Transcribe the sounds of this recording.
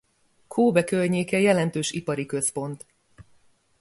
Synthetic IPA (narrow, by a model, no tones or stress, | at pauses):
kʰoːbɛkørɲeːkɛjɛlɛnt̪øːʃipɒɾikø̞spo̞nt̪